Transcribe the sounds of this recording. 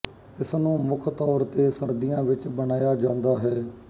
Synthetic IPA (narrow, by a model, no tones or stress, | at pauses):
ɪsnũːmʊkʰt̪ɔːɾt̪eːsəɾd̪ijãːʋɪt͡ʃbənaːjaːd͡ʒãːnd̪aːɦɛː